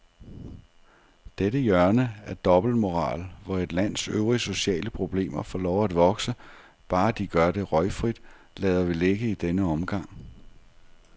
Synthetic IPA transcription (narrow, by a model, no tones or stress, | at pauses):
d̥edəjɶɐnəæɐd̥ɒ̽b̥l̩d̥mo̝ʁɑ̰̈ːlʋɒe̝d̥læn̰søʊʁiso̝ɕɛ̰ːləpʰʁo̝b̥le̝̰ːmɐfɒ̰ːlɒʊæd̥ʋɒ̽ɡ̥sə | b̥ɑ̈ːd̥iɡ̥ɶɐd̥e̝ʁɒ̽ɪfʁid̥ | lɛːðˠɐʋile̝ɡ̥əid̥enəɒ̽mɡ̥ɑ̈ŋ̰